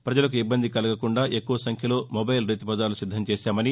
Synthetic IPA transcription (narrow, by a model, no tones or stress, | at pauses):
pɾɐd͡ʒɐlɐkuibːɐnd̪ʱikɐlɐɡɐkuɳɖaːʔekːuʋɐsɐŋkʰjɐlo̞ːmobɐjlɾiːt̪ipɐd̪aːlusid̪ʱːɐmt͡ʃeːʃaːmɐni